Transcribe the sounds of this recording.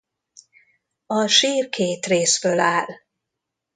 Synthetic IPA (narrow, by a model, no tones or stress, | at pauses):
ɒʃiːrkʰeːt̪reːsfølaːl